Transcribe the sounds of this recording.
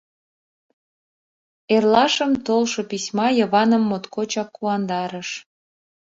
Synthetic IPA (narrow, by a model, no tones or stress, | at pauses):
erlɑʃəmt̪olʃopisʲmɑjəβɑnəmːot̪kot͡ɕɑkːuɑnd̪ɑɾəʃ